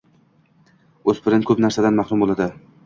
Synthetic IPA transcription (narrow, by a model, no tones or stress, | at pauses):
ɵzpʰɪɾɪnkʰɵpnaɾsad̪anmaχɾʊmbolˠad̪ɪ